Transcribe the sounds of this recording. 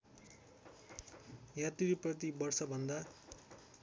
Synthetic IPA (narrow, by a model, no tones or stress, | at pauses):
jat̪iɾprʌt̪̬ibʌrsʌbʱʌnd̪a